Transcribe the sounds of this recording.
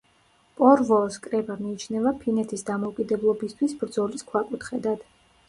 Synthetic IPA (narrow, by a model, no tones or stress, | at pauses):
pʼɔɾvɔskʼɾɛbamiːt͡ʃʰnɛvapʰinɛt̪ʰisd̪amɔukʼid̪ɛblˠɔbist̪ʰwisbɾd̪zɔliskʰwakʼut̪ʰχɛd̪ad̪̥